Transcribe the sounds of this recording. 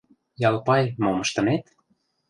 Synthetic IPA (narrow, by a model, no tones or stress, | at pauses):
jɑlpɑjmomə̆ʃt̪ɤ̆net̪